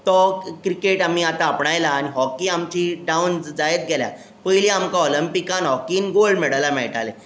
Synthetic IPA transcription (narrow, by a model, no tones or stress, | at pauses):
t̪ɔkɾikeʈam̤iat̪ãːpɳajlaːñiɦɔkiamt͡ɕiɖawnd͡zajət̪̚ɡʱɛlja̰ | pəjliamkaɔləmpikanɦɔkiːnɡolɖmeɽalamɛɭʈale